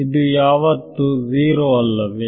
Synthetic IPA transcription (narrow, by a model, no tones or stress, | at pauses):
id̪ujaːʋɐt̪ːuziːɾoɐlːɐʋe